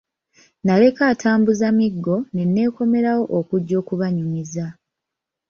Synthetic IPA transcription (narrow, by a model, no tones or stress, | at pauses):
nale̞kaːtʰaːmbuzamiɡːo̞ne̞nːe̞ːko̞me̞ɾawo̞ʔokuɟːo̞ːkuβaɲumiza